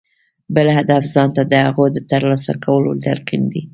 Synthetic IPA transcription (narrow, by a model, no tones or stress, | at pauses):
bəlhad̪afzɑnt̪ad̪əhaɣod̪ət̪əɾlɑsakawəlo̰d̪aɾqind̪i